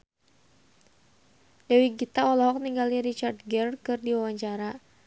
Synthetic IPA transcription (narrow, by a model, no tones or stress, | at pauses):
dawiɡit̪aɔlɔɦɔk̚niŋɡaliɾit͡ʃard̪ɡɛrkɨrdiwawaɲt͡ʃaɾa